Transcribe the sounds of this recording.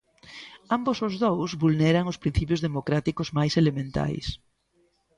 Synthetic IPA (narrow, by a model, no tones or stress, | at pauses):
ambosʊzðowzβulneɾaŋʊspɾin̟θipjʊzðemokɾat̪ikʊzmajselemẽnt̪a̰js